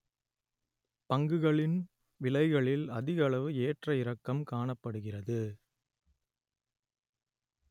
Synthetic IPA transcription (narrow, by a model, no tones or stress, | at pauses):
pɐŋɡɯɣɐɭɪn | ʋɪlɐɪɣɐɭɪlɐðɪɣɐɭɐʋɯeːʈrɐɪɾɐkːɐmkaːɳɐpːɐɽɯɣɪrɐðɯ